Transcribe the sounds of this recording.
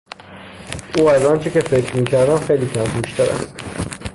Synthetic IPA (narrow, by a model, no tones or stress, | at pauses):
ʔuːæzɒːnt͡ʃʰecefe̞kʰɾmiːcʰæɾd̪æmxejliːkʰæmuʃt̪æɾæ̰st̪